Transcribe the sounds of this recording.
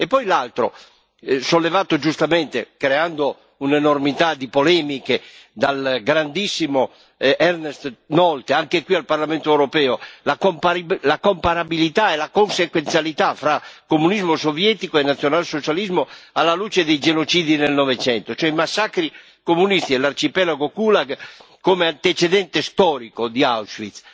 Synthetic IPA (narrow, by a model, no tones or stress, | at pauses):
epːɔjlalt̪ɾo̰ | solːevaːt̪od͡ʒust̪ament̪ḛkɾeand̪o | unenormit̪ad̪ipolɛːmiked̪alɡɾand̪isːimo | ɛrnest̪nɔlt̪eaŋkekwialparlament̪oɛwɾopɛːolakmpalakompaɾabilit̪aelakonsekwent̪sjalit̪afɾakomunizmosovjɛt̪ikoenat̪sːjonalsot͡ʃalizmoalːalut͡ʃed̪ejd͡ʒenot͡ʃiːd̪inelnɔvet͡ʃɛnt̪ot͡ʃɛimasːakɾi | komunist̪ielart͡ʃipɛlaɡokulaɡ | kːomeant̪et͡ʃed̪ɛnt̪est̪ɔɾikod̪iawsfit̪s